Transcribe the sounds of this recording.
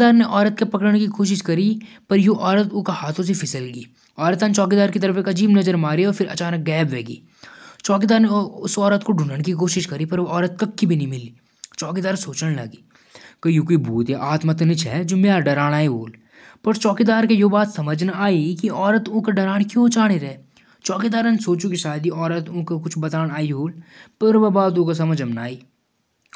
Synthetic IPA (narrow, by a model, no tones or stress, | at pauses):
d̪aːɾneʔɔːɾət̪kepɐkəɾɽ̃kikoːʃ̬ɪʃkɐɾi | pɐɾjoʔɔːɾət̪õːkahaːt̪ʰõs̬epʰɪsəlɡiː | ɔːɾət̪aːnt͡ʃɔːk̬id̪aːɾkit̪ɐɾəfekɐd͡ʒiːbnɐd͡ʒəɾmaːɾeɔːɾfɪɾɐ̰t͡ʃaːnək̚ɡɛːbʋeːɡḭː | t͡ʃɔːk̬id̪aːɾneʊsɔːɾət̪koɖʱʊɳɖəɽkik̬oːʃɪʃkɐɾipɐɾʋoɔːɾət̪̚kɐkːibʱinɐɦĩmɪliː | t͡ʃɔːkid̪aːɾsoːt͡ʃəɽ̃lɐ̰ɡiː | kɐikoibʱuːt̪jeʔaːt̪mət̪nit͡ʃʰɛd͡ʒoːmaːɖɐɾaːɽ̃aːiɦo̰ːl | pɐɾt͡ʃɔːkid̪aːɾkejobaːt̪sɐməd͡ʒnaaːikiɔːɾət̪õːkaɖɐɾaːɽ̃kjõːt͡ʃaːɽ̃eɾɛɦe | t͡ʃɔːkid̪aːɾənsoːt͡ʃũkiʃaːjd̪iɔːɾət̪õːkakʊt͡ʃʰbɐt̪aːɽ̃aːiɦoːlpɐɾʋobaːt̪̬õːkas̬ɐməd͡ʒɐmnaːiː